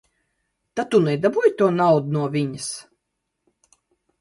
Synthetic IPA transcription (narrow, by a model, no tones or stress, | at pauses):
t̪at̪unɛd̪abujt̪uɔnawd̪unuɔvʲiɲɨs